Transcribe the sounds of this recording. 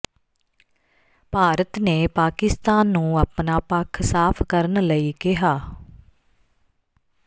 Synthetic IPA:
paːɾət̪neːpaːkɪst̪aːnːũːəpnaːpəkʰsaːpʰkəɾənləiːkɪɦaː

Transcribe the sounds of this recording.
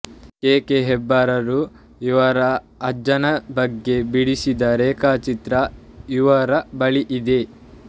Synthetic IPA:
keːkeɦɛbːaːɾɐɾu | iʋɐɾɐː | d͡ʒɐnɐbɐɡːe̞biɽisid̪ɐɾeːkaːt͡ʃit̪ɾɐ | iʋɐɾɐbɐɭiʔid̪e̞

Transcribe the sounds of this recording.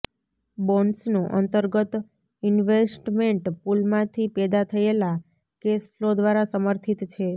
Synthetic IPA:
bɔnɖsnũʔə̰nt̪əɾɡət̪ | ɪnʋesʈmeɳʈpulmãt̪ʰipɛd̪at̪ʰəela | kesfʰlod̪ʋaɾasəməɾt̪ʰit̪t͡ʃʰe

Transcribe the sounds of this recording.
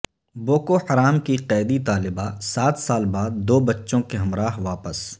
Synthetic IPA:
boːkoħɐɾaːmkiqɛːd̪it̪aːlɪbasaːt̪saːlbaːd̪ːoːbɐtːʃõkeɦɐmɾaːɦʋaːpəs

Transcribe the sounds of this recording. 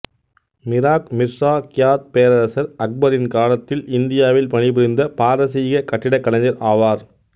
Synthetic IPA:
mɪɾaːkmɪɾsaːkɪjaːt̪̚peːɾɐɾɐsɐɾɐk̚bɐɾɪnkaːlɐt̪ːɪlɪnd̪ɪjaːʋɪlpɐɳibɪɾɪnd̪ɐpaːɾɐsiːɣɐkɐʈːɪɽɐkːɐlɐɲd͡ʒɐɾʔaːʋaːɾ

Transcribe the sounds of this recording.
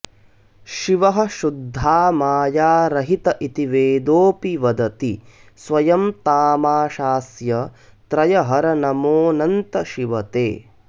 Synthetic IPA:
ʃiʋɐɦɐ̆ʃud̪ʱːaːmaːjaːɾɐɦit̪ɐʔit̪iʋeːd̪oːpiʋɐd̪ɐt̪i | sʋɐjɐmt̪aːmaːʃaːsjɐt̪ɾɐjɐɦɐɾɐnɐmoːnɐnt̪ɐʃiʋɐt̪ḛː

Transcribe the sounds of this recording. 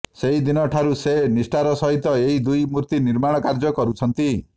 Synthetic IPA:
seɦid̪inɔʈʰaɾusenisʈaɾɔsɔɦit̪ɔeɦid̪ujmuɾt̪iniɾmaɽ̃ɔkaɾd͡ʒɔkɔɾut͡ʃʰɔnt̪i

